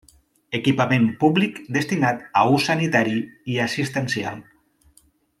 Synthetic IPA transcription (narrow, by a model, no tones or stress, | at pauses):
ekipamẽmpuβlikd̪est̪inat̪ausanit̪aɾiiasist̪ensia̰lˠ